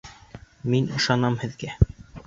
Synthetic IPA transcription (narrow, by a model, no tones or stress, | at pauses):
minɤ̆ʃɑnɑmhɘ̆ðɡæ